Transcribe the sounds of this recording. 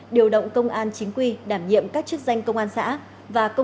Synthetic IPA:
ɗi˨˩əwɗə̰˧˨wŋ͡mkə˧wŋ͡mʔaː˧nt͡ɕi˨˦ŋ̟kwi˧˩ɗaː˧˩mɲḭ˧˨əmkaː˦˥k̚t͡ɕɨ˦˥k̚za˧jŋ̟kə˧wŋ͡mʔaː˧nsa̰ː˧˥ | vaː˨˩kə˧

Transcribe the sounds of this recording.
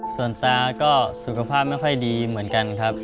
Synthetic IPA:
su˨˩ənt̪aː˧kɔː˥˩su˨˩kʰa˧pʰaː˥˩p̚ma˥˩jxʰɔ˥˩jdiː˧mɯ˩˦ənka˧nkʰɾa˦˥p̚

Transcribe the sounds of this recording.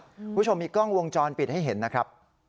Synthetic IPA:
kʰu˦˥t͡ɕʰo˧mːiː˧kɔ˥˩ŋwo˧ŋt͡ɕɔː˧npi˨˩ha˥˩jɦe˩˦nːa˦˥kʰɾa˦˥p̚

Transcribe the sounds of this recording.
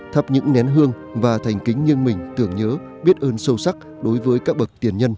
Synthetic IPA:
t̪ʰə˦˥p̚ɲɨ̰˧˥ŋnɛ˨˦nɦɨ˧əŋ | vaː˨˩t̪ʰa˨˩jŋ̟kï˨˦ŋ̟ɲi˧ənmï˨˩ŋ̟t̪ɨ˧˩əŋɲəː˨˦ | ɓi˦˥ət̚ʔəː˧nsə˧wsa˦˥k̚ | ɗo˨˦jvəː˨˦jkaː˦˥k̚ɓə˨˩k̚t̪i˨˩ənɲə˧n

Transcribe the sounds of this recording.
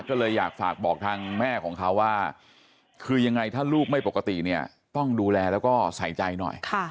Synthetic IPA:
kɔː˥˩lɤː˧jːa̰ː˨˩k̚faː˨˩k̚bɔː˨˩k̚t̪ʰaː˧ŋmɛː˥˩kʰɔː˩˦ŋkʰa˦˥wːaː˥˩ | kʰɯː˧ja˧ŋːa˧jt̪ʰaː˥˩luː˥˩p̚ma˥˩jpo˨˩kːa˧t̪ḭ˨˩ni˥˩ɐ | t̪ɔ˥˩ŋduː˧lɛː˧lɛː˦˥wkɔː˥˩sa˩˦jt͡ɕa˧jnɔ̰˨˩jkʰa˥˩

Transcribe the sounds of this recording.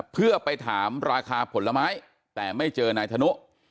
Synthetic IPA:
pʰɯ˥˩ɐpa˧jt̪ʰaː˩˦mɾaː˧kʰaː˧pʰo˩˦nlːa˧maː˦˥j | t̪ɛː˨˩ma˥˩jt͡ɕɤː˧naː˧jt̪ʰa˧nu˦˥ʔ

